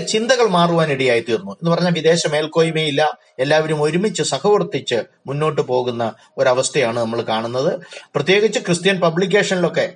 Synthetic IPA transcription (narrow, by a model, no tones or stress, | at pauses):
t͡ɕind̪ɐɣɐɭmaːruʋaːniɽijaːjit̪iːɾunːue̞nːɨpɐrɐɲːaːʋid̪e̞ːɕɐme̞ːlko̞ːjume̞ːjilːɐ | e̞lːaːʋɐɾumo̞ɾumit͡ɕːɨsɐkʰɐʋurɐt̪ːit͡ɕːɨ | munːo̞ːʈ̬ːɨpo̞ːɣunːɐ | o̞ɾɐʋɐst̪ʰɐjaːɳɨnɐmːɐɭkaːɳunːɐðɨprɐt̪ːje̞ːɡit͡ɕːɨkrɨst̪ijɐnpɐblik̬ʲːe̞ːʂɐnilo̞kːe̞